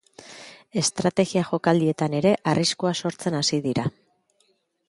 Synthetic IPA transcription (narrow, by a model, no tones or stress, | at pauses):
e̞st̪ɾat̪e̞ɣiaʝo̞kald̪ie̞t̪ane̞ɾe̞ʔarʔiskoaso̞ɾt͡se̞nasiðiɾa